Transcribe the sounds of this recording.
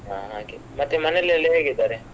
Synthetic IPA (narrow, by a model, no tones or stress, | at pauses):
ɦa̰okemɐt̪ːemɐnelːiɐlːiɦeːɡid̪aɾe